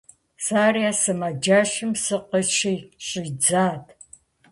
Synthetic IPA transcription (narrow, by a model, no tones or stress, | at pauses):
saːriasɨmad͡ʒaːʃɪmsɨqəʃijɕʼɪd͡zaːtʰ